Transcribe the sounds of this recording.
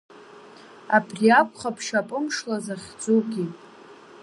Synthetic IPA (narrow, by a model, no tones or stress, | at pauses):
abʰriakʷʰʼχapʰʂapʼɨmʂlazaχʲd͡zuɡʲi